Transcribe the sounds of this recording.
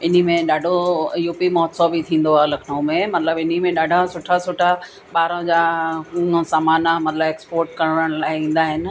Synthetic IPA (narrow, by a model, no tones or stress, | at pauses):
ɪn̤imẽɗaːɖʱojuːpimɔːt̪sobʱɪt̪ʰĩːn̆d̪oaːɦlɐkʰnɐũmẽmɐt̪ləbɪn̤imẽɗaːɖʱasʊʈʰasʊʈʰa | ɓaːɾõd͡ʑãː | saːmaːnamɐt̪ləbeːkspoːɾʈkɐɾəɽ̃əɽ̃laːɪĩːn̆d̪aɦɪnɪ̆